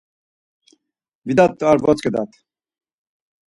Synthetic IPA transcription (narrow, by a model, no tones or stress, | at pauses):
vid̪at̪ːuaɾvɔt͡skəd̪a̰t̪